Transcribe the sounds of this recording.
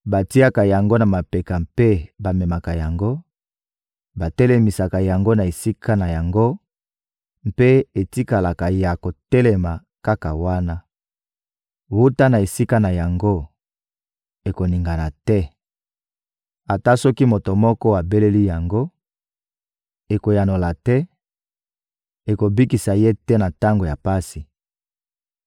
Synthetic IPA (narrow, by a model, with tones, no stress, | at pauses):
ba˨ti˦a˦ka˨ja˨ŋɡo˦na˨ma˨pe˨ka˨mpe˦ba˨mɛ˨ma˨ka˨ja˨ŋɡo˦ | ba˨tɛ˦le˨mi˨sa˨ka˨ja˨ŋɡo˦na˨e˨si˦kʰa˦na˨ja˨ŋɡo˦ | m˦pe˦e˨ti˦ka˨la˨ka˨ja˨ko˨tɛ˦lɛ˨ma˨ | ka˦ka˨wa˦na˦ | wu˦ta˦na˨e˨si˦ka˦na˨ja˨ŋɡo˦ | e˨ko˨ni˨ŋɡa˨na˨tɛ˦ | a˨ta˦sɔ˦ki˦mo˨to˨mɔ˦kɔ˦wa˨be˦le˦li˦ja˨ŋɡo˦ | e˨ko˨ja˨no˨la˨tɛ˦ | e˨ko˨bi˦ki˨sa˨je˦tɛ˦na˨ta˦ŋɡo˨ja˨pa˦si˨